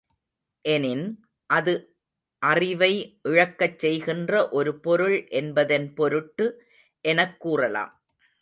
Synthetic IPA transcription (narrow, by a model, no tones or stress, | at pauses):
ʔɛnɪn | ʔɐðɯ | ʔɐrɪʋɐɪʔɪɻɐkːɐt͡ʃsɛjɣɪndrɐʔɔɾɯpɔɾɯɭʔɛnbɐðɐnpɔɾɯʈːɯ | ʔɛnɐkːuːrɐla̰ːm